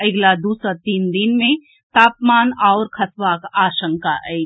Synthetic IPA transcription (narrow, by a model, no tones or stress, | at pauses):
ɪɡlad̪uːsɾat̪iːnd̪inmẽ | t̪aːpmaːnɔːɾkʰɐsʋaːkaːʃə̃ŋkaɛː